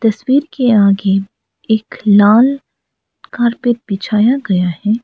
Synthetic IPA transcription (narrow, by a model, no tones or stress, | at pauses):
t̪ɐswiːɾkeaːɡe | eːklaːl | kaːɾpɪt̚bɪt͡ʃʰaːjaɡɐjaɦɛː